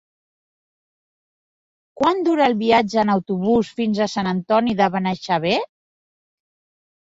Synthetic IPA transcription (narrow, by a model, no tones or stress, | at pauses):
kwand̪uɾəːlˠβiad͡ʒəːnəwt̪uβusfinzəsanənt̪ɔniðəβənəʃaβ̞e